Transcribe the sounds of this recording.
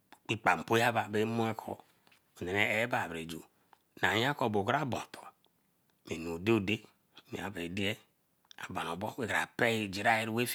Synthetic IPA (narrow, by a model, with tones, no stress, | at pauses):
k͡pi˦k͡pa˨m̩˨po˦ja˦ba˨be˦mo˦e˦kʰɔ̰˨ | o˨ne˨ne˨e˦ba˦˨βɾe˨d͡ʒṵ˨ | na˨ja˦ko˦˨bo˨ɡɾa˦bo̰˨tʰo̥˨ | me˨n˨u˨de˦˨de˦˨ | mḛ˨a˨be˨de˦e˦ | a̰˨ba˨n˨o˨bɔ˦we˦˨ɡɾa̰˨pe˦i˦˨d͡ʒi˨ɾa˦je˦ɾwe˦f